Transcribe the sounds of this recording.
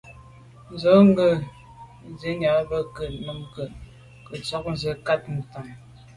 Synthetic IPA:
n̩˨zo˨˦ŋ˦ɡə˨ | zə˨˦ɲa˨˦bə˦kə˨t̚mə˨m˨kə˨ | kə˨t͡sɔ˦k̚n̩˨zə˨˦ka˦t̚n̩˨ta˨ŋ

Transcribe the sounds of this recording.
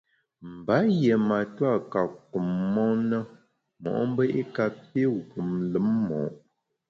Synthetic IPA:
m̩˨ba˨˦jɛ˨ma˨ta˦˨ka˨k̚u˨mːɔ˦nə˦ | mɔ̰˨ʔm˦bə˦ʔi˦ka˨pe˦ɡu˨mlə˨˦mːɔ̰˨ʔ

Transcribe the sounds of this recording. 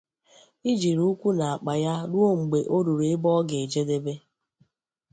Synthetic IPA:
i˦d͡ʒi˨ɾu˦kʷu˦na˨a˨k͡pa˨ja˦ɾu˦o˦ŋ͡m̩˨ɡ͡be˨ʔo˦ɾu˨ɾe˨ɪ˦bɔ˦ɡe˨e˨d͡ʒe˦de˦be˦

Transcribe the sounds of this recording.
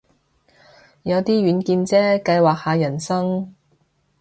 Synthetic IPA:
jɐ˨˧wt̪iː˥ɥyː˨˧˥nkiː˧nt͡sɛː˥kɐ˧jwaː˨k̚haː˨˧jɐ˨˩nsɐ˥ŋ

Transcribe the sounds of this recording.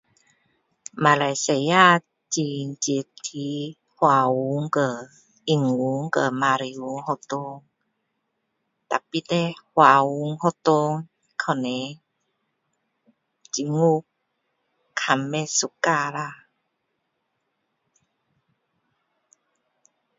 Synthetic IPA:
ma˨la˨jse˨˩ja˥˧ | t͡ɕi˧˨nt͡ɕi˨˩t̪ʰi˧˦ | hwa˨u˨˦ŋkə˧˩ | i˨˧˩ŋu˨˦ŋkə˧˩ma˧˨ɾi˧˨u˧˦ŋhɔ˧t̪o˧˦ŋ | t̪a˨pi˦˧t̪e˧˦hwa˨u˧˦ŋhɔ˧t̪o˧ŋ | kʰə˧˩ne˨ | t͡ɕi˧˨ŋu˦˧ | kʰa˨˧˨mːe˧su˧˨ka˥˧la˧

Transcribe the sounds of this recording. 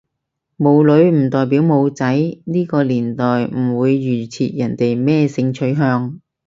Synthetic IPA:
mo˨˧wlɵ˨˧ɥm̩˨˩t̪ɔː˨jp̬iː˨˥wmo˨˧wt͡sɐ˨˥jniː˥kɔː˧liː˨˩nt̪ɔː˨jm̩˨˩wuː˨˧jːyː˨˩t͡sʰḭː˨t̚jɐ˨˩nt̪e˨jmɛː˥˧sɪ˧ŋt͡sʰɵ˨˥ɥɦœː˧ŋ

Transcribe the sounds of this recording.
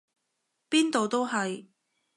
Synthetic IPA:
piː˥nt̪o˨˧wt̪o˥wɦɐ˨j

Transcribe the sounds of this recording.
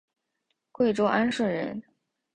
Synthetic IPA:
kwe˥˩ɪʈ͡ʂo˥ʊʔa˥nʂ̩˥˩ɻə˧˥n

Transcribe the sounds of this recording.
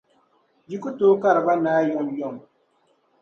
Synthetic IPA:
ji˦ku˦to˦ka˦˨ɾba˦naː˦jɔ˦mjɔ˦˨m

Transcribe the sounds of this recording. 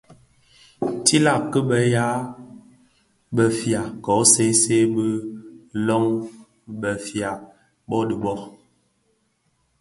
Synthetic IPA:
ti˦la˨kə˦bə˨ja˦ | bə˨fja˨kɔ˨˦se˦se˦bə˦lɔ˦ŋ | bə˨fja˨ | bɔ˦də˨bɔ˦

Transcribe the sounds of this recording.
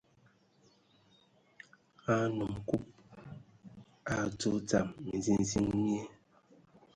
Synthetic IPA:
a˦nu˨mku˦p̚ | a˨to˦t͡sa˨mːi˨zi˦n˨zi˦ŋmje˦

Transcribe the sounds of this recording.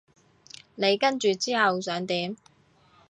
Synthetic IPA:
ne˨˧jkɐ˥nt͡ʃyː˨t͡siː˥hɐ˨wsœː˨˥ŋt̪iː˨˥m

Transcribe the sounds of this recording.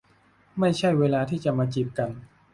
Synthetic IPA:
ma˥˩jt͡ɕʰa˥˩jweː˧laː˧t̪ʰiː˥˩t͡ɕa˨˩maː˧t͡ɕi˨˩p̚ka˧n

